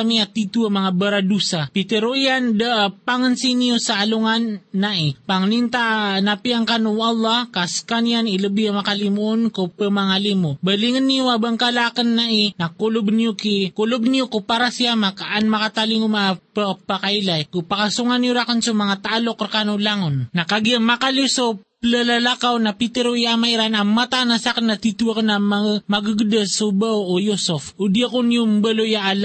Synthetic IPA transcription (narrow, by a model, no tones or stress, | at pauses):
amiat̪it̪uamaŋabəɾadusapit̪əɾoiandapaŋənsinijosaːluŋanːaipaŋnint̪anapiaŋkanuɑlˠˤːɑhkaskanijaniləbiamakalimuʔonkopəmaŋalimobəliŋənːijuabəŋkalakənːainakulʊbnijokikolob̚nijokopaɾasiamakaʔanmakat̪aliŋomaapapakajlajkupakasuŋanjoɾakansomaŋat̪aʔalokrkanolaŋonːakaɡiamakaloso | lalalakawnapit̪eɾoiamaiɾanamːat̪anasakanːat̪it̪uakanamamaɡəɡd̪əsubawojosofod̪iakonijombəlojaʔal